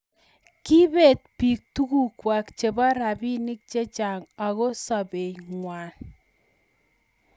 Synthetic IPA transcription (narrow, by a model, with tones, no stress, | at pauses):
ki˦be˨t̚pi˨k̚tu˦ku˦kwa˨kt͡ʃe˨bɔ˦ɾa˨bi˦ni˦k̚t͡ʃe˦t͡ʃa˨ŋa˨ɣo˦sɔ˨be˨ŋwa˨n